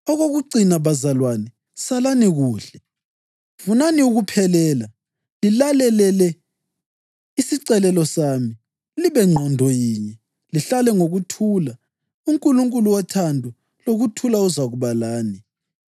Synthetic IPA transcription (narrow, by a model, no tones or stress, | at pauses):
ɔɣoɣuǀinaβazalwanɛ | salaniɣuːɬɛ | funaniuɣupʰɛlɛːla | lilalɛlɛlɛ | isiǀɛlɛlɔsami | uliβɛŋ͡ǃʱandʱɔjiːɲɛ | liɬalɛŋoɣutʰuːla | uŋkʼuluŋkʼuluwatʰandʱu | loɣutʰulauzaɣuβalaːni